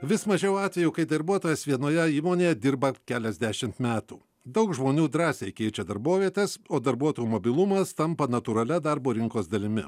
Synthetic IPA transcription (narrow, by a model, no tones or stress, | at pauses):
ʋʲɪsmɐʒʲɛʊɑːt̪ʲʋʲɛjuːkɐɪd̪ɐɾbuɔt̪oːjɛsʋʲiɛnoːjɛiːmoːnʲeːjɛd̪ʲɪɾbɐkʲæːlʲɛzʲd̪ʲæʃʲɪmt̪mʲæːt̪uː | d̪ɐʊkʒmoːnʲuːd̪ɾɑːsʲɛɪkʲɛɪt͡ʃʲɛd̪ɐɾboːʋʲiɛt̪ʲesoːd̪ɐɾbuɔt̪oːjuːmobʲɪlˠʊmɐst̪ɐmpɐnɐt̪uɾɐlʲɛd̪ɐɾboːɾʲɪŋkoːsd̪ɐlʲɪmʲɪ